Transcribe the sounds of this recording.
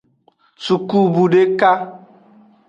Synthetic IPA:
su˨ku˦bu˨ɖe˦ka˦

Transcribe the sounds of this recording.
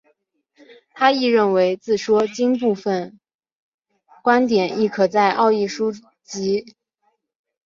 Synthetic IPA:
t̪ʰa˥i˥˧ɻə˥˩nwe˧˥ɪt͡sɹ̩˥˩ʂwɔ˥t͡ɕi˥np̬u˥˧fə˨˩n | kwa˥nt̪jɛ˨˩˦ni˥˩kʰɤ˨˩t͡sa˥˧ɪʔɑ˥˧ʊi˥˩ʂu˥ | t͡ɕi˧˥

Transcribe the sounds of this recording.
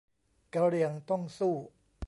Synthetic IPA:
ka˧ɾi˧əŋt̪ɔ˥˩ŋsuː˥˩

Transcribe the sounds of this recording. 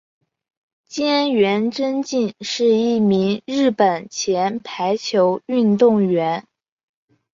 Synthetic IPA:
t͡ɕjɛ˥nɥɛ˧˥nʈ͡ʂə˥nt͡ɕi˥˧nʂɻ̩˥˧i˥˩mi˧˥ŋɻɻ̩˥˩pə˨˩nt͡ɕʰjɛ˧˥npʰa˧˥ɪt͡ɕʰjo˧˥ʊy˥˧nt̪ʊ˥˩ŋɥɛ˧˥n

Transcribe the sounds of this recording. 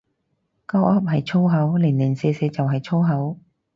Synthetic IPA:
kaː˥wʔɐ˥p̚ɦɐ˨jt͡sʰo˥wɦɐ˨˥wliː˨˩nliː˨˩nsɛː˨˧sɛː˧t͡sɐ˨wɦɐ˨jt͡sʰo˥wɦɐ˨˥w

